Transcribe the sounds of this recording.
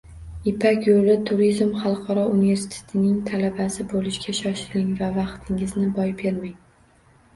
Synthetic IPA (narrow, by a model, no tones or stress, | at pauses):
ɪpʰakʲjolɪt̪ʰʊɾizmχɑlˠqʰɒɾɒunive̞ɾsi̥t̪ʰe̥t̪ʰɪnɪŋt̪ʰalabasɪbolɪʃɡʲaʃɒʃɪlɪŋvavɑqt̪ʰɪŋɪznɪbɒjbeɾmaŋ